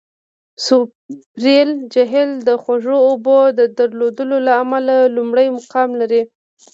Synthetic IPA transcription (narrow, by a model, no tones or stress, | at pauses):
sʊ | bɾeld͡ʒaɦɪld̪əxwaʐoːbod̪əd̪aɾlod̪əlolaːmalalumɽəjmʊqɑmlaɾi